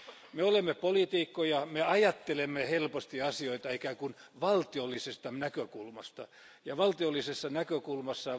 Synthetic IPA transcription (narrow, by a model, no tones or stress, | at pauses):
meolemːepolit̪iːkːojɑmeɑjɑt̪ːelemːehelpost̪iɑsioit̪ɑeikækun | ʋɑlt̪iolːisest̪ɑnækøkulmɑst̪ɑ | jɑʋɑlt̪iolːisesːɑnækøkulmɑsːɑ